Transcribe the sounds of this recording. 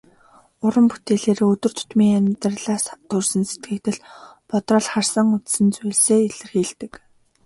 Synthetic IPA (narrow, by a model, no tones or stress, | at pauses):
ʊɾə̆mput̪eːɮeːɾɵt̪ɵ̆r̥t̪ʰʊ̥t̪miːŋæmʲt̪rɮaːst̪ʰɵrsə̆nse̥t̪ɡɘ̆ːk̚t̪ɘ̆ɮpɔt̪rɔːɮχarsə̆ŋʊt̪sə̆nt͡sʊjɮseːiɮɘ̆rxiːɮt̪ɘ̆k